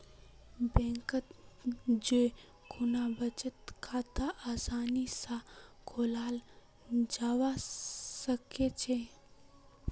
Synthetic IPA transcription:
bɛ̃ːŋkət̪ | d͡ʒe | kʰʊnabət͡ʃət̪kʰaːt̪aʔaːsaːnisãkʰoːlaːl | d͡ʒaːwasəket͡ʃʰe

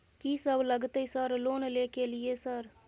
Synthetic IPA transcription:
kisəbʱləɡt̪əisəɾloːnlekelijesəɾ

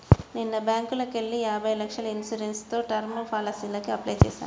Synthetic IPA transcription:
ninːɐbjaːŋkulɐkeɭːiaːbʱɐjlɐkʂɐlɐinsuɾenst̪o̞ːʈɐɾmɐpʰaːlɐsilɐkiɐplɐjt͡ʃḛːsa̰ːnu

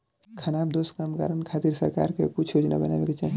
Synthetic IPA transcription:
kʰənabd̪oskamka̰ɾənkʰat̪iɾsə̰ɾka̰ɾkekut͡ʃʰod͡ʒna̰bənalekit͡ʃa

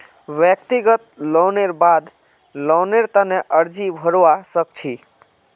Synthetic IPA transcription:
ʋjək̚t̪iɡət̪̚lɔwneɾbad̪ | lɔwneɾt̪əneʔəɾd͡ʒibʱəɾoasək̚t͡ʃʰi

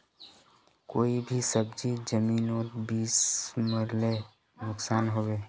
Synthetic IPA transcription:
koːibʱisəbd͡ʒid͡ʒəmiːnoːt̪biːsməɾle | nʊksaːnɦoːbeː

